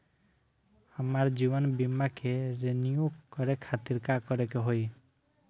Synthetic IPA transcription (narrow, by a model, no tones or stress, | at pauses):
əmaɾd͡ʒibɔnbimakʰeɾenijoɡkɔɾekʰat̪iɾkakɔɾekeɦoj